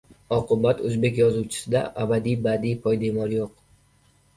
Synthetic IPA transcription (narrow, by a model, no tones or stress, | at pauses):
ɒqʰɨbat̪ʰɵzbe̞kʲjɒzuwt͡ʃʰɪ̥sɪd̪a̰ʔabad̪ijbad̪ijpʰɒjd̪emɒɾjoq